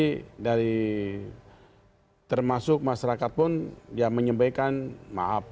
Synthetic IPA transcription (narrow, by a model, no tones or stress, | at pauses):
idaɾi | t̪ərmasʊk̚maʃaɾakat̪̚pʊndiaməɲəmbajkanma̰ɦap̚